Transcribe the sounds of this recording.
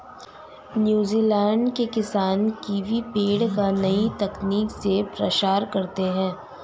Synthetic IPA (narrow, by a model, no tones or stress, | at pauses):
njuːziːlɛ̃ːɳɖkekɪsaːnkiʋʱipeːɽkanɐit̪ɐkniːksepɾɐt͡ʃaːɾkɐɾt̪eɦɛ̃ː